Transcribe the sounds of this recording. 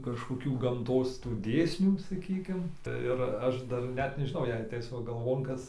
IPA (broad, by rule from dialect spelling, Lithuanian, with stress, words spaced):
kɐʃkoːˈkʲuː ɡɐmˈtoːs tuː ˈdʲeːsʲnʲuː sɐˈkʲiːkʲɪm tɐɪ ɪr ˈɐʃ dɐr ˈnʲɛt nʲɛʒʲɪˈnɐʊ jɛɪ ɐtʲˈɛɪs ˈʋɐ ɡɐlˠˈʋoːn ˈkɐs